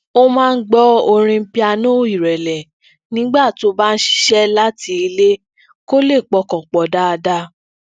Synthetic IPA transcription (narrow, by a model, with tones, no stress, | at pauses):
o˦mãː˦˧n̩˦ɡ͡bɔ˦o˧ɾ̃ĩ˧˦pi˦a˧nõ˦˨˦i˦˨ɾɛ˨lɛ˨ | nĩ˦ɡ͡ba˦˨to˦ba˦˧n̩˦ʃi̥˦ʃɛ˦la˦ti˧i˧le˦ | ko˦le˦˨k͡pɔ˧˦kɔ̃˨k͡pɔ˨da˦a˧da˧